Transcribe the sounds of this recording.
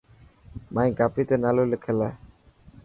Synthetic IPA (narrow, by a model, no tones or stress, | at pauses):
majɡapit̪enalolekʰɛla